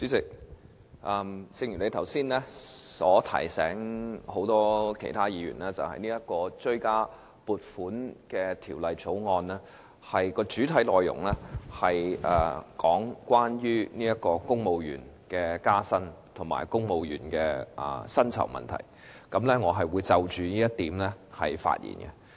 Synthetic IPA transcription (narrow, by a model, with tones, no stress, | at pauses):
t͡sy˨˥t͡sɪ˨k̚ | ʔɐː˧mt͡sɪ˧ŋjyː˨˩ne˨˧jt̪ʰɐ˨˩wsiː˥nlɛː˥sɔː˨˥t̪ʰɐ̰˨˩jsɛ̰ː˨˥ŋho˨˥wt̪ɔː˥kʰe˨˩jt̪ʰaː˥jiː˨˧jy̰ː˨˩nlɛː˥t͡sɐ̰˨whɐ̰˨jniː˥jɐ˥t̚kɔː˧t͡ʃɵ˥ɥkaː˥ | puː˨t̚fuː˨˥nkɛː˧t̪ʰiː˨˩wlɐ˨jt͡sʰo˨˥wŋɔː˧nɛː˥ | hɐ˨jkɔː˧t͡syː˨˥t̪ʰɐ˨˥jlɔː˨jʊ̰˨˩ŋlɛː˥hɐ˨jʔɐ˨˩kɔː˨˥ŋkwaː˥njyː˥niː˥jɐ˥t̚kɔː˧kʊ˥ŋmo˨wjy̰ː˨˩nkɛː˧kaː˥sɐ˥nt̪ʰʊ˨˩ŋma̰ː˨˩jkʊ˥ŋmo˨wjyː˨˩nkɛː˧ʔɐ̰˨˩sɐ˥nt͡sʰɐ̰˨˩wmɐ̰˨nt̪ʰɐ̰˨˩j | kɐ˨˥mlɛ˥ŋɔː˨˧ɦɐ˨jwuː˨˧jt͡sɐ˨wt͡ʃyː˨˧niː˥jɐ˥t̚t̪ːiː˨˥mlɛ˥hɐ˨jfa̰ː˧t̚jḭː˨˩nɡɛ̰˧